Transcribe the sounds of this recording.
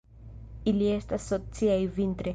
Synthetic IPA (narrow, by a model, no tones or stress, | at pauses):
iliest̪asot͡siaivĩnt̪ɾe